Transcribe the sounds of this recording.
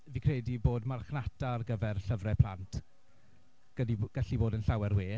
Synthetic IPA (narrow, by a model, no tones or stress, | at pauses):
viːkʰrediboːdmarχnatʰarɡəvɛrɬəvrɛpʰlˠantʰ | ɡ̥ədiɡ̥əɬiboːdənɬawɛrweː